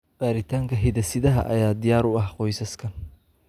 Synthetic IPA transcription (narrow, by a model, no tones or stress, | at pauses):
b̥aːɾɪt̪ʰaːŋkʰɐɦɪðɐsɪðɐɦɐ̰ʔɐ̰jaːd̪ɪjaːɾʊɐhqɔjsɐskʰɐ